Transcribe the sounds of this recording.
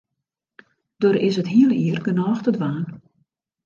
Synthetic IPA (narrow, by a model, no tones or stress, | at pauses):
d̥oɾɪsətɦiəlˠiərɡənɔːxtədʋaːn